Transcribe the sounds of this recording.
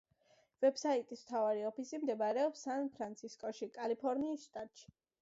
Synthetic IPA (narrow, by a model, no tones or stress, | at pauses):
vɛbsait̪ʼismt̪ʰavaɾiɔpʰisimd̪ɛbaɾɛɔpsanpʰɾant̪sʰiskʼɔʃikʼalipʰɔɾniːsʃt̪ʼat̪ʼʃi̥